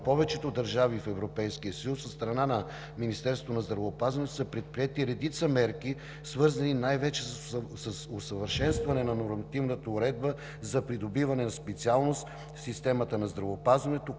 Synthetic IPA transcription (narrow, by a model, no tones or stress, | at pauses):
pɔvɛt͡ʃɛt̪od̪ɐɾʒavifɛvɾopɛjskiəsəjusost̪əɾɐnanɐ | minist̪ɛɾsvonɐzd̪ɾɐvəopazvɐnɛt̪səpɾɛt̪̚pɾiɛt̪iɾɛd̪it̪səmɛɾk̟i | svɤɾzɐninajvɛt͡ʃɛsəsosəvəɾʃɛnst̪vɐnɛnɐnoɾmɐt̪ivnət̪əʊɾɛd̪̚bə | zɐpɾid̪obivɐnɛnɐspɛt̪sialˠnost̪ | fsist̪ɛmət̪ənɐzd̪ɾɐvoːpazvɐnɛt̪o